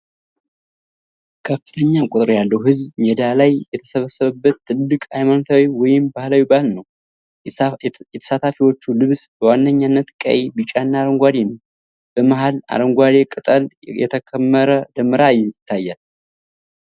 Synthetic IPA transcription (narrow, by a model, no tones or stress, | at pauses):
kʰəfːɨ̥t̪ʰəɲːakʼut̪ʼɨɾjalːəwhɨzβmɛd̪alajːɛt̪ʰə̥səβəsːəβəbːət̪ːɨlːɨkʼajmanut̪ʰawiwɔjɪmbahlawibahlnəw | jɛt̪ʰə̥sat̪ʰafiwo̞t͡ʃːulɨβsbəwanːəɲːanːət̪kʼə̰jebɨt͡ʃʼanːaɾəŋɡʷad̪enəw | b̥əmaɦala̰ɾəŋɡʷad̪ekʼɨt̪ʼəljɛ̰t̪ʰəkʰəmːəɾəd̪əmːɨɾajɪt̪ʰːajːal